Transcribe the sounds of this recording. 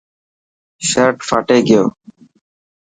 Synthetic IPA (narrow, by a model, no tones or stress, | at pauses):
ʃəɾʈfaːʈeːɡɪjo̰ː